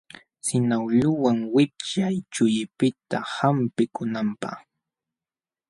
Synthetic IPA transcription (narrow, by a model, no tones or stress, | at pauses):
sɪnawʎʊwaŋwɪp̚t͡ʃajt͡ʃʊjɪpɪt̪ahampɪkʊnampɑ̰χ